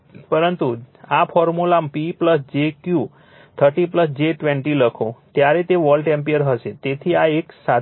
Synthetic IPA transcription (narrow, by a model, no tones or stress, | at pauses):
pəɾənt̪uafʰɔɾmulampipləsd͡ʒekju | t̪ʰəɾʈipləsd͡ʒeʈʋẽɳʈiləkʰõt̪jaɾet̪eʋəlɖʈẽmpiəɾɦəʃet̪et̪ʰiaeksa